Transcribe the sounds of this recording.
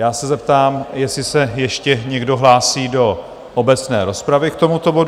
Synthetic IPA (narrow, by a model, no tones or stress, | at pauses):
jaːsɛzɛpt̪aːmjɛsɪsɛjɛʃcɛɲɛɡdo̞ɦlaːsiːdo̞ | ʔobɛt͡snɛ̰ːɾo̞spɾavɪk̚t̪o̞mut̪o̞bo̞d